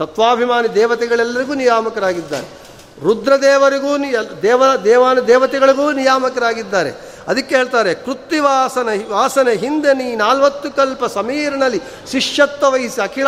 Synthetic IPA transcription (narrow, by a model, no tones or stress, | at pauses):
t̪ɐt̪ʋaːbʱimaːnid̪ɛːʋɐt̪ɛɡɐɭɛlːɐɾiɡuːnijaːmɐkɐɾaːɡid̪ːa̰ːɾe | ɾud̪ɾɐd̪ɛːʋɐɾiɡuːnd̪ɛːʋɐd̪ɛːʋaːnɐd̪ɛːʋɐt̪ɛɡɐɭiɡuːnijaːmɐkɐɾaːɡid̪ːaːɾḛ | ɐd̪ɐkːeɦeːɭt̪aːɾekɾut̪ːiʋaːsɐnɐʋaːsɐneɦind̪eniːnaːlʋɐt̪ːukɐlpɐsɐmiːɾɐnɐlːi | ʃiʂjɐt̪ːʋɐʋɐɦisiɐkʰiɭ